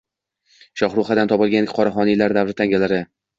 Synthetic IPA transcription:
ʃɒχɾuχad̪ant̪ʰɒpɒlˠɡʲanɡʲqʰɒɾaχɒnijlaɾd̪avɾɪt̪ʰaŋɡʲalaɾɪ

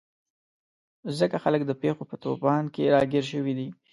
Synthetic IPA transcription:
zəkaxalək̚d̪əpexopət̪opɑnkeɾɑɡeɾʃ̬əwid̪i

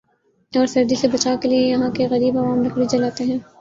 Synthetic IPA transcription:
ɔːɾsɐɾd̪isebɐt͡ʃaːkeliejɐɦãkeɣɐɾiːbɐʋaːmɾɐkʰɽid͡ʒɐlaːt̪eɦɛ̃ː

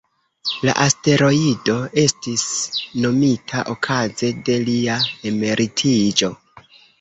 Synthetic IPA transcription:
la̰ʔaste̞ɾo̞ido̞e̞stisno̞mitʰaʔokʰaze̞de̞liae̞me̞ɾʔitʰid͡ʒo̞

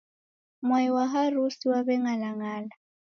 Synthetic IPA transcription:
mwaiwaɦarusiwaβɛŋalaŋaːla

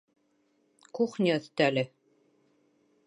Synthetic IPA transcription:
kuχnʲiɤ̆θt̪ælɘ

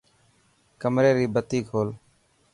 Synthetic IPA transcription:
kəmɾeːɾiːbət̪iːkʰoːl

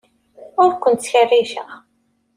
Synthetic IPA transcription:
ʊɾkʷənt̪θçərːiʃæ

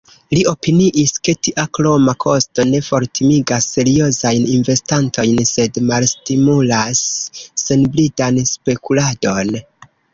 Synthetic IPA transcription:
lio̞piniʔiske̞tiʔaklo̞makʰo̞sto̞ne̞fo̞ɾtʰimiɡasːe̞ɾio̞zajninve̞stantʰo̞jnse̞dmalstimulasːe̞nblidanspe̞kulado̞n

